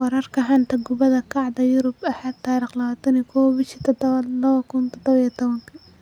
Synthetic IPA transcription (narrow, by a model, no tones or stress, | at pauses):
wɑɾɐrkʰɐħant̪ʰɐɡʊβɐðɐkʰɑʕd̪ɐjʊɾʊbɐħaːd̪̚t̪ʰːaːɾiχlɐβaːt̪ʰɐnikʰɔːwbɪʃit̪ʰɔd̪βɐlɐβɐkʰʊnt̪ʰɔd̪ɔβɐijɐt̪ʰɔβɐŋkʰɐ